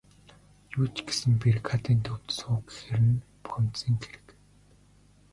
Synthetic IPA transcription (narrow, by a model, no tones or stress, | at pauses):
juːt͡ɕɡe̥sɘ̆mpʲirkʰat̪iːnt̪ʰɵwt̪sʊːɡe̥xeɾɘ̆n | pu̥x̆n̥t̪siːŋkeɾɘ̥̆k